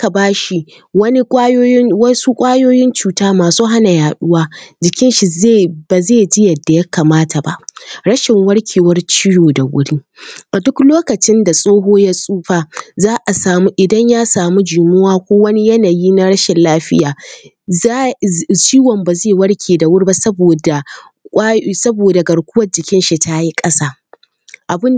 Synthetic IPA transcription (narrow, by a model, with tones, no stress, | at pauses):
ʔka˨baː˦ʃi˨ | wɐ˦ni˦kʷʼa˦joː˦jɪ˦nwɐ˦su˦kʷʼaː˦joː˦jɪ˦nt͡ʃuː˨taː˦maː˨suː˦ɦa˦na˨jaː˨ɗʊ˦waː˦d͡ʒɪ˨kʲɪ˦nʃi˨ze˦˨ba˨zeː˦˨d͡ʒɪ˦jɐ˨dːa˨ja˦kaː˨maː˦tʰa˨ba̰˦˨ʔɽɐ˦ʃɪ˨ŋwɐ˦ɽkʲʰeː˨wɐ˦rt͡ʃi˦joː˨da˨wʷʊ̰˦ɽiː˦ | ʔa˨dʊ˦kloː˦kɐ˨t͡ʃɪ˦nda˨sʼoː˦ɦoː˦ja˦sʼuː˦ɸa˨zaː˦ʔa˨saː˨mu˦ʔɪ˨dɐ˦ɲjaː˦saː˨mu˦d͡ʒu˨mɪ˦waː˦kʷoː˦wɐ˦ni˦jɐ˦naː˨jiː˦na˦ɽɐ˦ʃɪ˨nlaː˦ɸɪ˦jaː˨˦ | t͡ʃiː˦wɔ˨mba˨zeː˦˨wɐ˦ɽkʲʰeː˨da˨wʊ˦ɽi˦a˦sɐ˦boː˨da˨ | kʷʼa˦sɐ˦boː˨da˨ɡɐ˨ɽkʷʊ˦wɐ˦d͡ʒɪ˨kʲɪ˦nʃi˨tʰa˦ji˦kʼɐ˦saː˦ | ʔa˨bɪ˦n